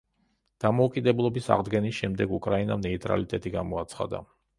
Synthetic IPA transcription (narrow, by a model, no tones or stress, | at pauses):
d̪̥amɔukʼid̪ɛblˠɔbisa̰ʁd̪ɡɛnisʃɛmd̪ɛɡukʼɾainamnɛit̪ʼɾa̰lit̪ʼɛt̪ʼiɡamɔat̪sʰχa̰d̪a̰